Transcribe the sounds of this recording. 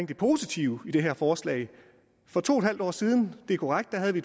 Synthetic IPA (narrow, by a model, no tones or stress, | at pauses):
ŋ̰d̥epʰo̝ːsit͡sʰiʊid̥e̝ɦeɐfɒːslɛ̰ːɪ | fɒ̽t͡sʰo̝ːe̥hɦæld̥ɒ̰ːsiːð̞ˠn̩d̥e̝ækʰoʁaɡ̥̚d̥æɦæð̞ˠʋied̥